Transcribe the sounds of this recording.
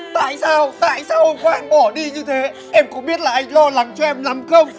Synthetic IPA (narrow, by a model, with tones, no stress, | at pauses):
t̪a̰ː˧˨jsaː˧wt̪a̰ː˧˨jsaː˧wʔo˧kɔ˨˦ʔaː˧˩nɓɔ˧˩ɗi˧ɲɨ˧t̪ʰe˨˦ | ʔɛ˧mkʊ̰˧˥˦ɓi˦˥ət̚laː˨˩ʔa˧jŋ̟lɔ˧la˨˦ŋt͡ɕɔ˧ʔɛ˧mla˨˦mxə˧wŋ͡m